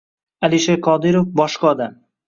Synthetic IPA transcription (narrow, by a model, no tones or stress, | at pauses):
aliʃeqʰɒd̪ɪɾofbɒʃqɒd̪a